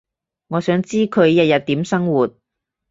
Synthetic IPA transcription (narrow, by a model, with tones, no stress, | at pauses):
ŋɔː˨˧sœː˨˥ŋt͡siː˥kʰɵ˨˧ɥjɐ˨t̚jɐ˨t̚t̪iː˨˥msɐ˥ŋwuː˨˩t̚